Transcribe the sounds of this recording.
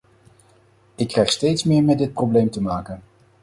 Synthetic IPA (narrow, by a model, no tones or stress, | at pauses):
ɪkːrɛjχstejtsmɪːɹmɛdɪt̚prowblejmtəmaːkən